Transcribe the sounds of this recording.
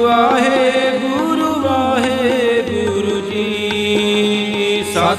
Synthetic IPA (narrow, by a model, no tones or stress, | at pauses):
aːɦeɡuɾuʋaːɦebuɾud͡ʒi | kisaː